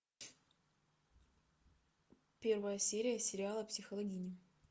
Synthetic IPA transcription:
pʲe̞rvəjəsʲeɾʲɪjəsʲɪɾʲɪalˠəpsʲɪxəlˠɐɡʲinʲɪ

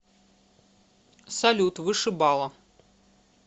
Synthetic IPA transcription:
sɐlʲut̪vɨʂɨbalˠɐ

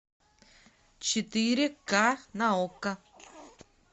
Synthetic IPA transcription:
t͡ʃit̪iɾekanaoka

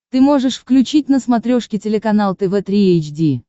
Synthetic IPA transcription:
t̪ɨmo̞ʐɨʂfklʲʉt͡ɕit̚ʲnəsmɐt̪ɾʲoʂkʲɪtʲɪlʲɪkɐnalˠt̪ɛvɛt̪ɾʲiejt͡ɕdʲi

